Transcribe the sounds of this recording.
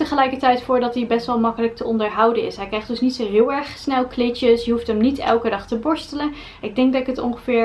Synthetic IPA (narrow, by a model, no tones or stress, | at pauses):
təχəlɛjkəɹtɛjtfʊːɹdɑtibɛstʋɛlˠmɑkələk̚təɔndəɹɦɑwdənɪ̰sɦɛjkrɛjχdɵsnitsoɦɪːlˠɛɹχsnɛlˠklɪt͡ʃəsjəɦuftəmnitɛ̰lˠkədɑχtəbɔɹstələn | ɪɡ̚dɛŋk̚dɑtɪkətɔ̰ŋχəvɪːɹ